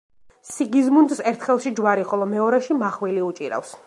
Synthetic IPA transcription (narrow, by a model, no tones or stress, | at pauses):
siɡizmund̪sɛɾt̪ʰχɛlˠʃid͡ʒwaɾiχɔlˠɔmɛɔɾaʃimaχwiliut͡ʃʼiɾa̰fs